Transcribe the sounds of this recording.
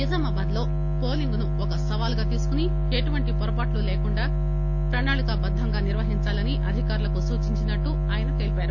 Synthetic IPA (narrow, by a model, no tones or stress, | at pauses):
izɐmɐbaːd̪lo̞ː | po̞ːliŋɡunuɔkɐsɐʋaːlɡaːt̪iːsu̥kuni | eʈuʋɐɳʈipɔɾɐpaːʈluleːkuɳɖaː | pɾɐnaːɭikɐbɐd̪ʱːɐŋɡaːniɾʋɐɦiɲt͡ʃaːlɐniʔɐd̪ʱikaːɾulɐkusuːt͡ʃiɲt͡ʃinɐʈːu | aːjɐnɐkeːlipaːɾu